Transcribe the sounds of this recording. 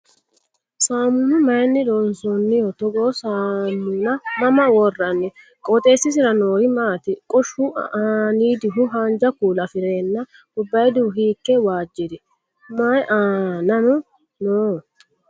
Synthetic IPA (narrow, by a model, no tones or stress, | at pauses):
saːmunʊmɐjnːɪd̪oːnsɔnːɪjɔt̪ɔɡoːsaːmːuːnɐmɐmɐwɔrːɐnːɪ | kʼɔt̪ʼe̞ːsːɪs̬ɪɾɐnoːɾɪmaːt̪ɪkʼɔʃːʊaːniːd̪ɪɦʊɦaːnd͡ʒɐkuːlɐfɪɾe̞ːnːɐ | ʊbːɐjd̪uɦiːkːɛwaːd͡ʒːɪd̪ɪ | mɐjʔaːnɐmʊ | noː